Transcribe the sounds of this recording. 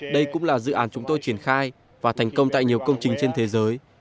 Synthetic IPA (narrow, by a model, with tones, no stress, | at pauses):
ɗə˧jkʊ̰˧˥ŋ͡mlaː˨˩zɨ̰˧˨ʔaː˨˦nt͡ɕʊ˨˦ŋ͡mt̪o˧jt͡ɕi˧˩ənxaː˧j | vaː˨˩t̪ʰɛ˨˩jŋ̟kə˧wŋ͡mt̪a̰ː˧˨jɲi˨˩əwkə˧wŋ͡mt͡ɕï˨˩ŋ̟t͡ɕe˧nt̪ʰe˨˦zəː˨˦j